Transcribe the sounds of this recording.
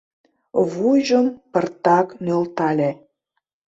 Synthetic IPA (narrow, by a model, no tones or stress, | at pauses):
βuʒəmpərt̪ɑknølt̪ɑlʲæ